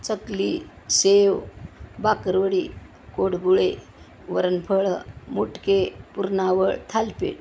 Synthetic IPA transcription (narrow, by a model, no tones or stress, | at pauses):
t͡səkli | seʋbakəɾʋəɽi | koɽɡuɭe | ʋəɾənpʰəɭəmuʈkepuɾnaʋəɭt̪ʰalpḛʈ